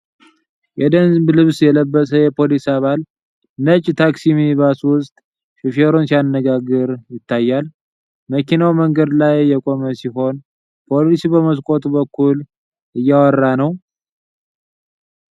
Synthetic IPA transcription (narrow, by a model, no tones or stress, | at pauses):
jɛd̪ənzblɨβsjɛləbːəsəjɛpʰolisaβal | nət͡ʃʼːt̪ʰaksimiβaswʊst̪ʼ | fifeɾonsijanːəɡaɡɨɾjɪt̪ʰːajːal | məkʰinawməŋɡəd̪lajːɛkʼo̞məsiɦo̞n | pʰo̞lisibəməs̬kʼo̞t̪ʼubəkʰːul | ɨjːawɔrːanəw